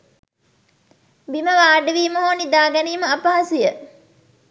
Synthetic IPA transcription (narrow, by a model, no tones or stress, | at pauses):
biməʋaːɖəʋiːmoɦoːnid̪aːɡæniːməɐpaɦasijə